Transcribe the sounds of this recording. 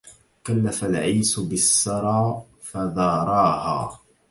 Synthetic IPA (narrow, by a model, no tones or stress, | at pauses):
kalːafalʕiːsbɪsːɑɾˤɑː | faðˤɑːɾˤɑːha̰ː